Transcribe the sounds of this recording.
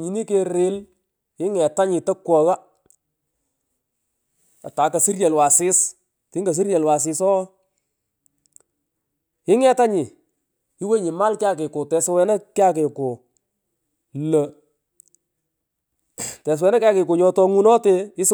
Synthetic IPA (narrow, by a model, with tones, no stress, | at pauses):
ɲi˨ni˦ke˨ɾɪ˨˦l | ɪ˦ŋɛ˨ta˦ɲɪ˨tɐ˦kwɔ˨ɣa˦ | a̰˨ta˨˦kɐ˨si˦rjɛ˨lwa˨sɪ˦s | tɪ˦ŋɡa˨s̬i˦rjɛ˨lwa˨s̬ɪ˨sɔ˦ | ɪ˦ŋɛ˨ta˦ɲɪ˨ | ɪ˦we˦ɲɪ˨ma˦lkɪ˦a˦˨k̬ɪ˨kʊ˨tɛ˨swɛ˨na˦kɪ˦a˦k̬e˨ko˨ | lə˨ | tɛ˨s̬wɛ˨˦na˦kja˦kɪ˨kʊ˨ɲɔ˧tɔ˧ŋu˦nɔ˦te˦ɪ˦s